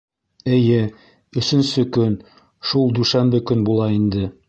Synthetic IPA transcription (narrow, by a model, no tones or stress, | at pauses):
ɘ̆jɘ | ɵ̆sɵ̆nsɵkɵn | ʃulˠd̪ʉʃænbɘkɵnbulˠɑind̪ɘ